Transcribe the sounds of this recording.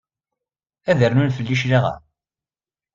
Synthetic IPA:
æðəɾnunfəlːiʃlaʁa̰

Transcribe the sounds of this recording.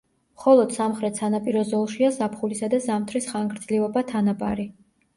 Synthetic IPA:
mχɔlˠɔd̪̥samχɾɛt̪ʰsanapʼiɾɔzɔlˠʃiazapʰχulisad̪azamt̪ʰɾisχaŋɡɾd̪z̥liɔbat̪ʰanabʼa̰ɾi

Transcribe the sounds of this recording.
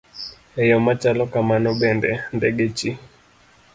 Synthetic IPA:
ɛjɔmat͡ʃalɔkamanɔɓɛndɛndɛɡɛt͡ʃi

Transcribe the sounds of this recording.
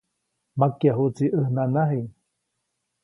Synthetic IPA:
makjaɦut͡siʔəhnanaɦi

